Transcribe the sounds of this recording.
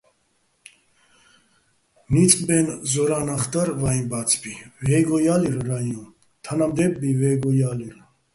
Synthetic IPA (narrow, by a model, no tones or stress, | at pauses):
mit͡sʼbɛnzɔɾanaχt̪aɾvajnbat͡sʰbivɛɡɔjaliɾɾaju | t̪ʰanamd̪ɛbːivɛɡɔjaliɾ